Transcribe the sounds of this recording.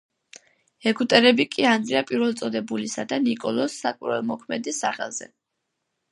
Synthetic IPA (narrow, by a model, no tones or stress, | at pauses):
ɛɡut̪ʼɛɾɛbikʼiand̪iapʼiɾvɛlˠt̪sʼɔd̪ɛbulisad̪anikʼɔlˠɔsːakʼwiɾɛlˠmɔkʰmɛd̪isːaχɛ̰lˠz̥ɛ̰